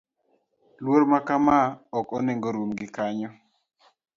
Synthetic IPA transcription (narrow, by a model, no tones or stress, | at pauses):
lwoɾmakamaɔkɔneŋɡoɾomɡɪkaɲɔ